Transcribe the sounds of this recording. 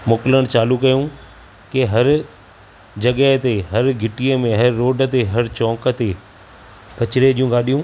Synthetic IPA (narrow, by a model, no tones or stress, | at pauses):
mʊkləɽ̃t͡ɕaːlukɐjũ | keɦɐɾ | d͡ʑɐɠəɦt̪eɦɐɾɡʱɪʈiəmẽɦɐɾːoːɖə̆t̪eɦɐɾt͡ɕɔ̃ːkə̆t̪e | kɐt͡ɕɪɾed͡ʑiːũɡaːɗijũː